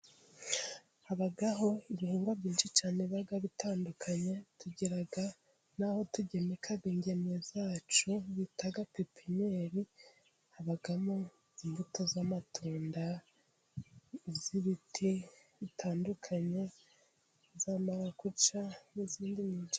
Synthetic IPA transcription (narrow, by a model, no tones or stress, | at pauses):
haβaɡaɦo̞iβihuːŋɡwabɟiːnʃit͡ʃaːneβaɡaβitaːndukʰaɲe̞tuɟiɾaɡa | naho̞tuɟemikʰaβiːɲɟe̞nezaːt͡ʃuβitaɡakipʰiɲeːɾi | haβaɡamo | imbuto̞zamatʰoːnda | ziβitʰiβitʰaːndukʰaɲe̞ | zaːmaɾakut͡ʃaniziːndiɲiːnt͡ʃa